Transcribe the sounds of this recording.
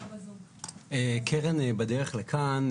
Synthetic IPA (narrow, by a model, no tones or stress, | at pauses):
ekʰeʁenbad̪eʁeχlekʰan